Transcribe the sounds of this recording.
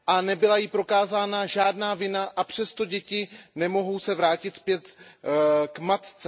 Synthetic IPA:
ʔanɛbɪlajɪpɾo̞kaːzaːnaʒaːdnaːvɪnaʔapr̝̥ɛst̪o̞ɟɛcɪnɛmo̞ɦo̞wsɛvɾaːcɪt̪spjɛt̪ | kmat̪t͡sɛ

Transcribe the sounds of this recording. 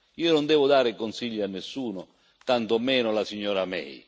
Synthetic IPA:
iːonʊnd̪ɛːvʊd̪aːɾɪkonsiʎːianːɪsːuːnʊ | t̪ant̪ɔmɛːnʊlasiɲːɔːɾamɛ̰j

